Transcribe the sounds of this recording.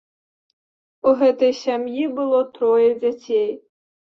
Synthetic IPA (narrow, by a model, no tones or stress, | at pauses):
uɦɛt̪ɐjsʲamjibɨlˠɔt̪ɾɔjɐd͡zʲat͡sʲɛj